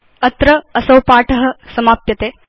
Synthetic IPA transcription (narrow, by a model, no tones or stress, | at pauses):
ɐt̪ɾɐːsɐwpaːʈʰɐɦɐ̆sɐmaːp̚jɐt̪eː